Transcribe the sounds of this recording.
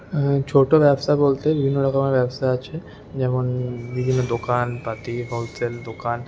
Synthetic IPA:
t͡ɕʰoʈoʋɛbsabolt̪ebibʱinːoʈakamaɾʋjɛbsaeat͡ʃʰe | d͡ʑɛmonbibʱinːod̪okanpat̪iɦoseld̪okan

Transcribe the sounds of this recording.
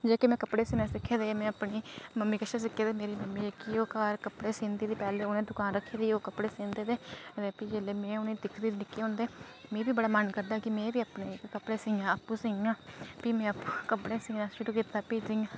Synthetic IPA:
d͡ʒeːkeːmɛ̃ːkəpɽeːsɪnãːsɪkʰːeːd̪eːmɛ̃ːəpɳiːməmːiːkəʃas̬ɪkʰːeːd̪eːmeːɾiːməmːiːeːkioːkaːɾkəpɽeːsɪnd̪iːd̪iːpɛːleːʊnẽːd̪ʊkaːnɾəkʰːeːd̪iːoːkəpɽeːsɪnd̪eːd̪eːeːpiːd͡ʒeːleːmɛ̃ːʊnẽːd̪ɪkʰd̪iːɾnɪkːeːɦʊ̃ːnd̪eː | mɛ̃ːbiːbəɽaːmənkəɾd̪aːkɪmɛ̃ːbiːapɳeːkkəpɽeːsɪŋãːəpːũːsɪŋãːpiːmɛ̃ːəpːuːkəpɽeːsɪŋãːʃɪʈuːkiːt̪aːpiːzɪŋãː

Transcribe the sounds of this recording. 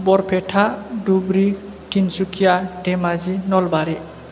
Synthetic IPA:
bɔɾpʰɛʈʰadubɾi | ʈʰinsukʰijaʈemazinɔlbaɾi

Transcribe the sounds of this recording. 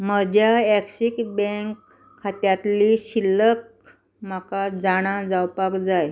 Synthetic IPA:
məd͡ʑʱjaɛksikbɛ̃ŋkʰː | at̪jat̪liɕilːək̚ | makad͡zaɽ̃ãd͡zawpakd͡zaj

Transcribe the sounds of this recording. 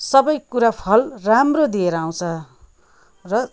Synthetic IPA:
sʌbʌjkuɾapʰʌlramrod̪ieɾʌaw̃t͡sʰʌ | rʌ

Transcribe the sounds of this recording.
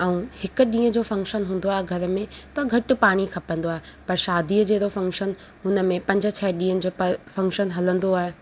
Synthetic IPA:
ɛ̃ũhɪkʊ̆ɗĩːə̃d͡ʑoːfɐ̃ŋkʃənɦũːn̆d̪oaːɦeɡʱɐɾə̆mẽt̪ɐɡʱɐʈʊ̆paːɽ̃ikʰɐpə̃nd̪oaːɦepɐɾʃaːd̪iːəd͡ʑeːɾofɐ̃ŋkʃən | ɦʊnə̆mẽpɐ̃ɲd͡ʑət͡ɕʰɛɗĩːə̃nd͡ʑoːpfɐ̃ŋkʃənɦɐlə̃nd̪oaːɦeː

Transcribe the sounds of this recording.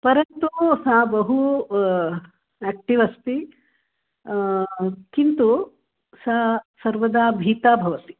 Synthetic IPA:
pɐɾɐnt̪usabɐɦu | eːk̚ʈiʋɐst̪i | kint̪u | sasɐɾʋɐd̪aːbʱiːt̪aːbʱɐʋɐt̪i̥

